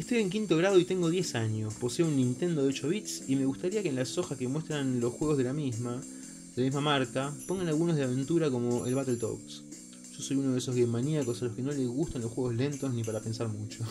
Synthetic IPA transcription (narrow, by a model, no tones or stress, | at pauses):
est̪o̞jeŋk̬int̪o̞ɣɾað̞o̞it̪e̞ŋɡoðje̞saɲo̞spo̞seounːĩnt̪e̞nd̪oðet͡ʃoβit̪sime̞ɣust̪aɾiakenlaso̞xaske̞mwe̞st̪ɾanlo̞sxwe̞ɣ̞ozð̞e̞lamizma | ðelamizmamaɾkapo̞ŋɡanalɣunozðeaβe̞nt̪uɾako̞mo̞ʔḛlβat̪e̞lt̪o̰ks | ʒ̥o̞so̞junoðesoɣemaniako̞salo̞hke̞no̞le̞zɣust̪anlo̞sxweɣ̞o̞zle̞nt̪osnip̬aɾape̞nsaɾmut͡ʃo